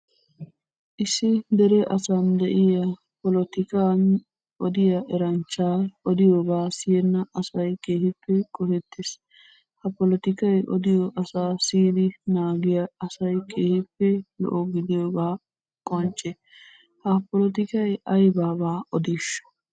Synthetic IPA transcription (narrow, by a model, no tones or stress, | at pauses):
ʔɪsːɪd̪ɛɾɛʔɐsand̪ɛʔɪjɐ | pɔlɔt̪ɪkaːn | ʔɔd̪ɪjɐʔɛɾɐnt͡ʃːaːɔd̪ɪjoːɡaːsɪjɛnːɐɐsɐjkeːhɪpːɛkʼɔhɛt̪ːes | hɐpɔlɔt̪ɪkɐjʔɔ̰d̪ɪjɔʔɐsaːsiːd̪ɪnaːɡɪjɐɐsɐjkʰeːhɪpːɛlɔ̰ʔoɡɪd̪ɪjoːbaː | kʼɔnt͡ʃʼːɛ | hɐpɔlɔt̪ɪkɐjʔɐjbaːbaːɔd̪iːʃɐ̥